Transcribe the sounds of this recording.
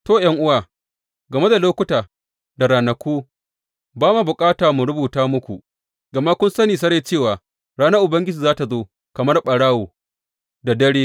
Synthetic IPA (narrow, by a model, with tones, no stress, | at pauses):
toː˦jɐ˦ŋʔʊ˦waː˨ | ɡɐ˨me˦da˨loː˦kʷʊ˦taː˨ | da˨ɾaː˨nɐ˨kʷoː˦ | baː˦ma˨bʊ˨kʼaː˦taː˨mu˨ɽʊ˦buː˨taː˦mʊ˦kʷu˨ | ɡɐ˨ma˦kʷʊ˦nsɐ˦niː˨s̬ɐ˦ɾe˨t͡ʃeː˦˨waː˨ | ɽaː˦na˦ʔʊ˨bɐ˦ŋɡʲɪ˦d͡ʒiː˨zaː˦ta˨zoː˦ | kɐ˨mɐ˦rɓɐ˨ɽaː˦woː˨ | da˨dɐ˦ɽeː˦